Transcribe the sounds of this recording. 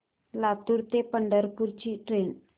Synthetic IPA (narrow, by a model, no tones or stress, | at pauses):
lat̪uɾt̪epəɳɖəɾpuɾt͡ʃiʈɾen